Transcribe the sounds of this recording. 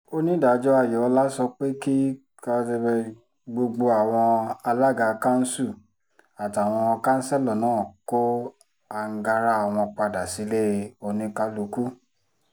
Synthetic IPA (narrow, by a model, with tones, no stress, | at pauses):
o˦nĩ˦da˨˦d͡ʒɔ˦a˦˨jɔ˨ɔ˧˦la˦sɔ˧k͡pe˦ki˦ | ka˧˦te˧bɛ˧ | ɡ͡bo˧ɡ͡bo˧a˨w̃ɔ̃˧a˧la˦˨ɡa˧˨˧ka˦n̩˦su˦˨ | a˨ta˨w̃ɔ̃˧ɔ˧ka˦n̩˦sɛ˦lɔ˨nãː˨˦˨ko˦ | a˧ŋ̩˦ɡa˧ɾa˦a˨w̃ɔ̃˧k͡pa˧da˨si˨˦le˦˨o˧nĩ˧ka˧˦lu˨˦ku˦